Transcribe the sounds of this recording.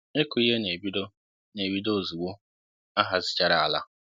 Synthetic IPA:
e˦kʊ˨˦i˦ɦe˦ne˨bi˦do˦ | ne˨bi˦do˦˨zu˨wo˦ | a˦ɦa˨zɪ̥˨t͡ʃa˨ɾa˨a˨la̰˦

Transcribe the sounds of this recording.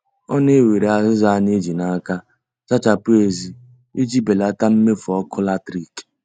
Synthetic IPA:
ɔ˦ne˦we˨ɾe˨a˨zɪ˦za˦ne˦d͡ʒi˨na˦ka˦ | t͡ʃa˦t͡ʃa˨pʊ˦e˨zi˦ | i˦d͡ʒi˦be˨la˦ta˦m̩˦me˦fʊ˨ɔ˦kʰʊ˦la˦tɾi˦˨k

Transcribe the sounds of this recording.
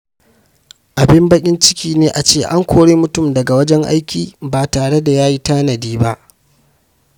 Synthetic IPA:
ʔa˨bɪ˦mbɐ˦kʲʼɪ˦nt͡ʃɪ̥˦kʲʰiː˦neː˦ʔa˨t͡ʃeː˦˨ʔa˦ŋkʷoː˦ɽeː˦mʊ˦tʊ˦˨mdɐ˨ɡa˨wɐ˦d͡ʒɛ˦ŋʔa̰˦jkʲiː˨baː˨taː˨ɽe˦da˨jaː˦ji˦taː˦nɐ˨diː˦ba˦ʔ

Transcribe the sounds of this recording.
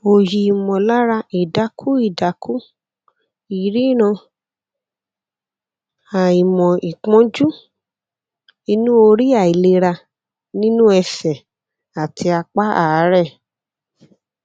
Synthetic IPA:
o˨ji˨i˨mɔ̃˨la˦ɾa˧i˨da˨˦kʰu˦i˦˨da˨kʰu˦ | i˨ɾi˦ɾ̃ɔ̃˧ | a˨i˨mɔ̃˨i˨k͡pɔ̃˨˦d͡ʒu˦ | i˧nũ˦o˧ɾi˦a˦˨i˨le˧ɾa˧ | nĩ˦nũ˦ɛ˧sɛ˨ | a˨ti˧a˧k͡pa˦a˨˦ɾɛ˦˨

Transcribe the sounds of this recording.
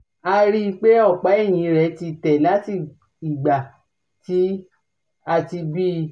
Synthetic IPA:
a˧ɾi˦i˧k͡pe˦ɔ˦˨k͡pa˨˦e˦˨j̃ĩ˨˧˦ɾɛ˧˦ti˧tɛ˨la˨˦ti˦˨ | i˨ɡ͡ba˨ | ti˦ | a˧ti˧bi˦˧

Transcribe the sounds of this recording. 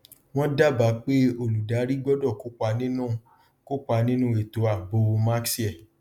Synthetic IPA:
w̃ɔ̃˦da˦ba˨˦k͡pe˦o˧lu˨da˨˦ɾi˦ɡ͡bɔ˦dɔ˦˨ko˨˦k͡pa˧nĩ˦nũ˦ | ko˦k͡pa˧nĩ˦nũ˦e˨to˨˦a˨bo˧˦wo˧ma˦ksi˦ɛ˦˨

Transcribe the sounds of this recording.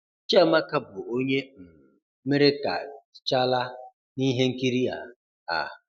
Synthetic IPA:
t͡ʃe˦ma˦ka˦bʊ˨o˦ɲe˦m̩˨ | me˦ɾe˦ka̰˨t͡ʃa˦la˦ | ni˦ɦe˦ŋ̩˦ki˦ɾi˦a̰˨ | a̰˨

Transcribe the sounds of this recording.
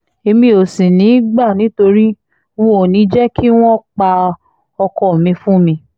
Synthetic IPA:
e˧mĩ˧o˨sĩ˨nĩ˨˦ɡ͡ba˦˨nĩ˨˦to˧ɾi˦ | wɔ̃˦o˨nĩ˨˦d͡ʒɛ˦ki˦w̃ɔ̃˦k͡pa˧ | ɔ˧kɔ˨mĩ˧fũ˦mĩ˧

